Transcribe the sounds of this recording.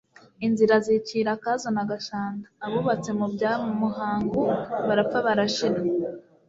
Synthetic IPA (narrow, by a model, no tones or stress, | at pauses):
inziɾaziciːɾakazonaɡaʃaːndaːβuβat͡se̞mubɟaːmumuɦaːŋɡuβaɾap͡faβaɾaʃina